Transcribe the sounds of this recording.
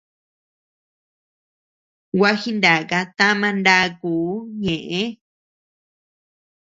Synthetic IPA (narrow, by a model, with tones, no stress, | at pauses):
wʷa˦xi˦nd̪a˨ka˧t̪a˦mã˧nd̪a˦˧kuː˨˦ɲẽ˨ʔẽ˦